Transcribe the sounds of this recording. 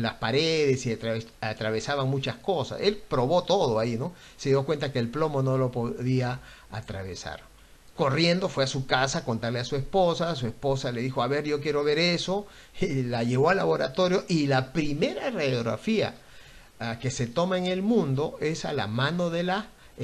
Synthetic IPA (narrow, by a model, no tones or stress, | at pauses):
laspaɾeðesiat̪ɾaesat̪ɾaβe̞saβaŋmut͡ʃasko̞sa̰se̞lpɾo̞βo̞t̪o̞ðo̞aino̞ | seðjo̞kwe̞nt̪ake̞ːlplo̞mo̞no̞lo̞poðia | at̪ɾaβe̞sa̰ɾ | ko̞rje̞nd̪o̞fwe̞asukasako̞nt̪aɾleasue̞spo̞sas̬ue̞spo̞saleðixo̞aβe̞ɾʝo̞kje̞ɾo̞βe̞ɾeso̞ | laʝe̞βo̞ala̰βo̞ɾa̰t̪o̞ɾjo̞ʔilapɾime̞ɾarejoɣɾa̰fia̰ | ke̞se̞t̪o̞maeŋe̞lmũnd̪o̞ʔe̞sa̰la̰mãno̞ðe̞la